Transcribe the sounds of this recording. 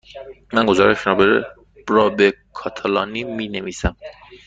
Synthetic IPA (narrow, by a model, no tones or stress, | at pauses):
mænɡozɒːɾeʃɾɒːbeɾ | b̥ɾɒːbekʰɒːt̪ʰælɒːniːmiːneviːsæm